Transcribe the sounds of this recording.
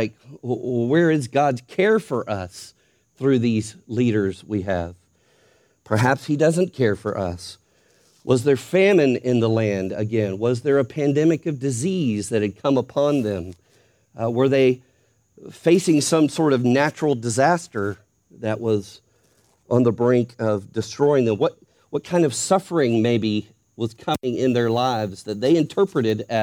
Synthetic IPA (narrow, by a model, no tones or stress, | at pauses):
ɪkwə˞ɪzɡɑdz̥kʰɛɹfə˞ʔʌs | θɹʉðizliɾə˞zwiɨv̥ | pʰə˞ɦæpshidʌzɨ̃nkʰɛɹfə̰˞ʔʌ̰s | wʔʌzðə˞fæ̃mɨ̃nɪ̃nðəlæ̃ndɨ̰ɡɛ̃nwʌzðə˞ɨpʰæ̃ndɛmɨkʌvdɨzizðɨt̚hɨd̚kʰʌ̃məpʰɑ̃nðɨ̃m | wə˞ðeɪ | feɪsɪ̃ŋsʌ̃msɔɹɾʌvnæt͡ʃɹl̩ˠdɨzæstə˞ | ðɨʔwʌz | ʔə̃nðəbɹæ̃ŋkʰʌvdɨstɹ̥ɔɪɪ̃ŋðɨ̃mwʌt̚ | wʌt̚kʰãɪ̃ndʌv̥sʌfə˞ɪ̃ŋmeɪbi | wʌz̥kʰʌmɪ̃ŋɪ̃nðə˞laɪvzðɨt̪̚ðeɪɨ̃ntʰɜ˞pɹɨɾɨɾɨ